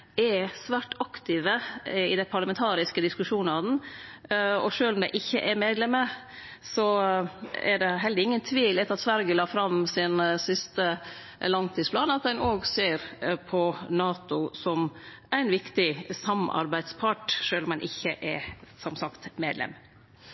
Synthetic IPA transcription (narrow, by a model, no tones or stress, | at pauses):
ɛɾsʋæːʈɑkt̪ɪʋəɪd̪æɪpʰɑɾɭəmɛnt̪ʰɑːɾɪskəd̪ɪskʉʂuːnɑd̪n | ɔʂøːlɔmd̪ɛɪʔɪçːəʔɛɾmeːd̪lɛmːə | sɔ | ɛ̰ɖɛɦɛləɾɪŋːənt̪ʰʋiːlɛt̪ɑt̪sʋæɾɡəlɑːfɾɑmsɪnsɪst̪ə | lɑŋt̪ʰiːspʰlɑːnɑt̪̚d̪ɛnoːɡseːɾpʰɔnɑːt̪ʊsɔm | ʔæɪnʋɪkt̪ɪsɑmɑ̰ɾbæɪd̪spʰɑʈʂøːlɔmɛnʔɪçːəʔɛɾsɔmsɑkt̪meːd̪lɛ̰mː